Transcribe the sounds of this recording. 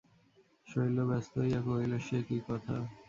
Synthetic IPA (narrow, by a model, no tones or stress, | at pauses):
ʃojlobɛst̪ojɛkoojloʃekikɔt̪ʰa